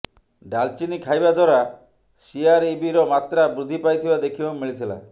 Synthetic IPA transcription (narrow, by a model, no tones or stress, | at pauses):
ɖalt͡ʃinikʰajbad̪ʱɔɾa | siaɾibiɾɔmat̪ɾabɾud̪ʱipajt̪ʰibad̪ekʰibamiɭit̪ʰila̰